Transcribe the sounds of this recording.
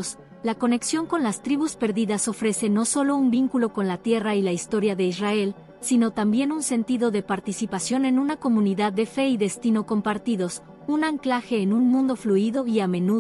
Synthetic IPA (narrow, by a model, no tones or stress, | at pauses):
s | lako̞ne̞ksjo̞ŋko̞nlast̪ɾiβuspe̞ɾðiðaso̞fɾe̞se̞no̞so̞lo̞umbiŋkulo̞ko̞nlat̪je̞railaist̪o̞ɾjaðe̞izrae̞l | sino̞t̪ambje̞nunse̞nt̪iðo̞ðe̞paɾt̪isipasjo̞ne̞nũnako̞mũniðaðːe̞fe̞iðe̞st̪ino̞ko̞mpaɾt̪iðo̞s | unaŋklaxe̞ːnunmũnd̪o̞fluiðo̞iamẽ̞nu